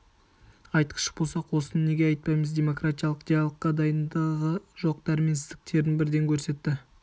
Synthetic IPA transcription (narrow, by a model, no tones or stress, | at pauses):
ɑjt̪ə̥ʃə̥bolˠsɑqwo̞sənne̞ɡʲe̞ɑjt̪̚pɑjməzd̪ʲe̞mo̞krat̪ijalˠəqt̪ijalˠəqːɑd̪ɑjənd̪ɑʁəʒo̞q̚t̪ɑɾmensɪzd̪ɪk̚t̪ʰe̞ɾɪnbɪɾd̪e̞ŋkʲʰɵɾse̞t̪ːɪ